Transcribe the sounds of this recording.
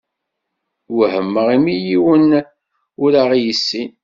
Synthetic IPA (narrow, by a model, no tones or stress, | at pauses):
wəhəmːəʁimijiwən | ʊɾaʁjəsːin